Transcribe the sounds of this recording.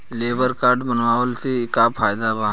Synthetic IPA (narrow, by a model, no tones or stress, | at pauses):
leːbəɾkaːɾɖbənʋaːʋəlseɪkapʰaːjd̪aba